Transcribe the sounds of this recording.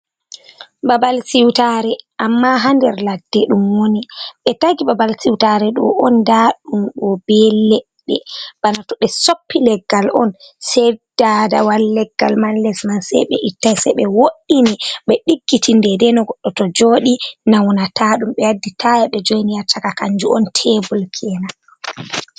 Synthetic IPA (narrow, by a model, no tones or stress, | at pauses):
babalsiwtaɾɛʔamːaɦandɛɾladːɛɗumwoniɓɛtaɡibabalsiwtaɾɛɗɔ̰ʔɔndaɗumɗɔbɛlɛ | ɓɛ̰b̥anatɔɓɛsopːilɛɡːalɔ̰nsɛdadawalːɛɡːalmanlɛsmansɛ̰jɓɛ̰ʔitːajsɛjɓɛwoɗːiniɓɛɗiɡːitʰindɛdɛnɔɡɔɗːɔtɔd͡ʒoːɗinawnataɗumɓɛjadːitʰajaɓɛd͡ʒojnijatʰːakakaɲd͡ʒuɔ̰ntʰɛbulkʰɛːna